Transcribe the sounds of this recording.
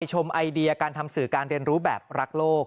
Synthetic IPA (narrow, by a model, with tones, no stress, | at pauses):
jt͡ɕʰo˧mʔa˧jdi˧ɐ˧kaː˧nt̪ʰa˧msɯː˨˩kaː˧nɾi˧ənɾuː˦˥bɛ̰ː˨˩p̚ɾa˦˥k̚loː˥˩k̚